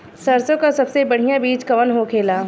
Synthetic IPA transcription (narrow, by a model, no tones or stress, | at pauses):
sɐɾsõkasɐbsebɐɽ̤ijãbiːt͡ʃkɐʋənɦokʰeːlaː